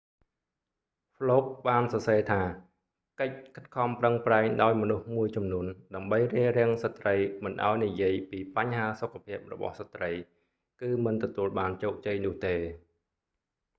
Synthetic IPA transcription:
pʰloːp̚ɓaːnsɑseːt̪ʰaː | kəc̚kʰət̪̚kʰɑmprəŋpraɛŋɗaɔjmɔnuhmuəjt͡ɕɑmnuənɗaəmɓəjriərɛ̆əŋsət̪rəjmɨnʔa̰ɔjnijiəjpiːpaɲɦaːsokʰːapʰiəp̚rɔ̰ɓɑ̰hsat̪rəj | kɨːmɨnt̪ɔt̪uəlɓaːnt͡ɕoːk̚t͡ɕəjnʊ̆əht̪eː

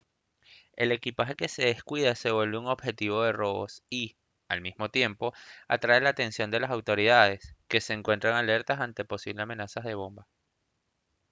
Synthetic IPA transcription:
e̞̰le̞kipaxe̞ke̞se̞ðe̞skwiðase̞βwe̞lβeuŋo̞bxe̞t̪iβo̞ðe̞ro̞βo̰si | almizmo̞t̪je̞mpo̞a̰t̪ɾae̞laːt̪e̞nsjo̞nd̪e̞lasawt̪o̞ɾiðaðe̞ske̞se̞ːŋkwe̞nt̪ɾaŋale̞ɾt̪asant̪e̞po̞siβleame̞nasazðe̞β̞o̞mba

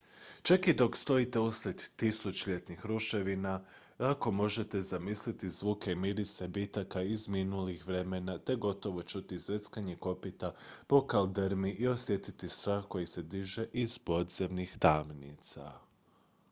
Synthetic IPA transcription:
t͡ʃakid̪o̞kst̪o̞it̪e̞usled̪ːisut͡ʃʎe̞t̪nixɾuʃe̞ʋina | ako̞mo̞ʒe̞t̪e̞zamislit̪izʋuːkeimiɾisebit̪akaizminulixʋɾe̞menat̪e̞ɡo̞t̪o̞ʋo̞t͡ʃut̪izʋe̞t̪skaɲe̞ko̞pit̪apo̞kald̪əɾmiʔio̞sje̞t̪it̪ist̪ɾaːxko̞jise̞d̪iʒe̞ʔiz̥po̞d̪ze̞mnixt̪amnḭt̪sa̰

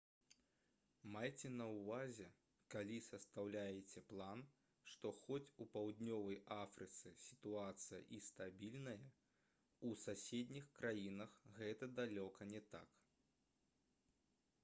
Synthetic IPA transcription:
majt͡sʲɛnɐwvazʲɛ | kalʲisɐst̪awlʲajɛt͡sʲɛplˠan | ʂt̪ɔxɔt͡sʲupawd̪ʲnʲɔvɐjafɾɨt̪sɨsʲi̥t̪uat̪sɨjɐ̰ʔist̪abʲilʲnɐjɐ | usasʲed̪ʲnʲixkɾajinɐxɣɛt̪ɐd̪alʲɔkɐnʲɛt̪a̰k

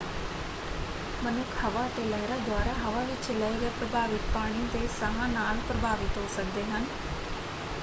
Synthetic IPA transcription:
mənʊkʰhəʋaːət̪eːləːɾaːd̪waːɾaːɦəʋaːʋɪt͡ʃləiɡeːpɾəbʱaːʋɪt̪paːɽ̃ĩt̪eːsəɦãːnaːlpɾəbʱaːʋɪt̪ɦoːsək̚d̪eːɦən

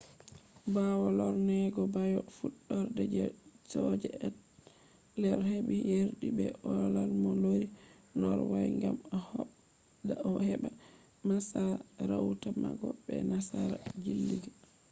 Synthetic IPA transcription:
bawɔlɔɾnɛɡɔbajɔfuɗːɔɾdɛd͡ʒɛsɔd͡ʒɛɛt | lɛɾhebijeɾɗibɛ̰ʔɔlalmɔloɾi | nɔɾwajŋɡamɔhɔ | daɔhɛɓa | masaɾawtama̰ɡɔbɛ̰nasaɾad͡ʒilːiɡa

